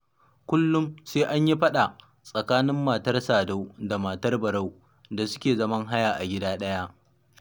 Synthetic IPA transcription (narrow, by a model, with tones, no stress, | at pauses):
kʷʊ˦lːʊ˦mseː˦ʔa˦ɲji˦ɸɐ˦ɗa˨ | sʼɐ˨kaː˦nɪ˦mːaː˨tɐ˦rsaː˨da˦wda˨maː˨tɐ˦rbɐ˨ɽa˦˨w | da˨sʊ̥˦kʲeː˨zɐ˦mɐ˦ŋɦa˦jaː˨ʔa˨ɡʲɪ˦daː˦ɗɐ˦ja˦ʔ